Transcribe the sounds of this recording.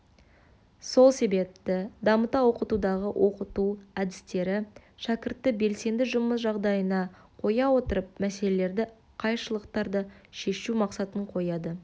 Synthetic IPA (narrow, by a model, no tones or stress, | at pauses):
so̞lˠse̞be̞p̚t̪ɪd̪ɑmət̪ɑwo̞qət̪ud̪ɑʁəwʔo̞qət̪uæd̪ɪ̥st̪e̞ɾɪʃækʲɪɾt̪ːɪbe̞lse̞nd̪ɪʒʊməsʒɑʁd̪ɑjənɑ | qʰo̞jɑwo̞t̪əɾəp̚mæse̞lele̞ɾd̪ɪ | qʰɑjʃəlˠəqt̪ɑɾd̪əʃe̞ʃumɑqsɑt̪əɴqʰo̞jɑd̪ə